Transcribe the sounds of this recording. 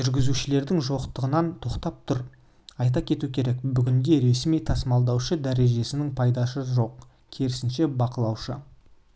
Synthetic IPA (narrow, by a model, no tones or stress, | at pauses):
ʒʏɾɡʲɪzuʃɪle̞ɾd̪ɪŋʒo̞qt̪əʁənɑnt̪ʰo̞qt̪ɑp̚t̪ʰʊɾ | ɑjt̪̬ɑkʲʰe̞t̪ukʲʰe̞ɾe̞kbʏɡʲɪŋd̪ʲe̞ɾe̞smijt̪ʰɑsmɑlˠd̪ɑwʃəd̪æɾe̞ʒe̞sɪnɪŋpʰɑjd̪ɑsəʒo̞q | kʲʰeɾɪsɪnʃe̞bɑqəlˠɑwʃə